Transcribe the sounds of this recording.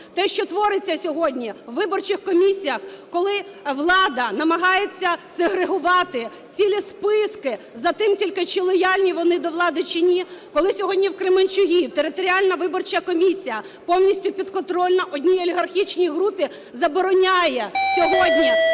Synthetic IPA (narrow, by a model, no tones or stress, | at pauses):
t̪ɛʃt͡ʃɔt̪ʋɔɾɪt͡sʲːɐsʲɔɦɔdʲnʲiʋːɪbɔrt͡ʃɪxkɔmʲisʲijɐxkɔlˠɪ | ʋlˠɑd̪ɐnɐmɐɦɑjet͡sʲːɐseɦɾeɦʊʋɑt̪ɪ | t͡sʲilʲispɪskɪ | zɐt̪ɪmtʲilʲkɪt͡ʃilˠɔjɑlʲnʲiʋɔnɪd̪ɔʋlˠɑd̪ɪt͡ʃɪnʲikɔlˠɪsʲɔɦɔdʲnʲiwkɾɪmenʲt͡ʃʊɦʲit̪eɾɪt̪ɔɾʲialʲnɐʋɪbɔrt͡ʃɐkɔmʲisʲijɐ | pɔwnʲisʲtʲʊpʲid̪kɔnt̪ɾɔlʲnɐʔɔdʲnʲijɔlʲiɦɐrxʲit͡ʃnʲijɦɾupʲi | zɐbɔɾɔnʲajɛsʲɔɦɔdʲnʲi